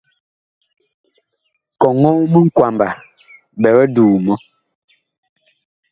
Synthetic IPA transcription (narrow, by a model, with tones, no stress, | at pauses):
kɔ˨ŋɔ˦mə˦ŋ̩˦kwa˨mba˨ | bɛ˨ɣɛ˦duː˨mɔ˦